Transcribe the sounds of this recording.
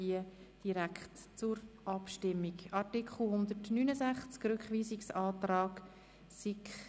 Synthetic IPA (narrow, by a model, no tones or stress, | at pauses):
iə | d̥iɾækχtt͡sʊɾʔɑpʃtɪmːikɑɾtikχl̩ˠhʊnd̪ətnyːnəzæχt͡skrʏkχʋiːziksɑːt̪rɑːɡ | sik